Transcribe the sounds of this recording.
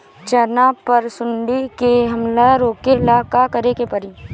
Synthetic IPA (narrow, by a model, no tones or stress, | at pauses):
t͡ʃəɾnapɐɾsʊɳɖikeɦɐmlaɾoːkelakakɐɾekepɐɾiː